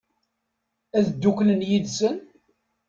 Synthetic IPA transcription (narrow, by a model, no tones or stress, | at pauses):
æðd̪ːuklənjiðsən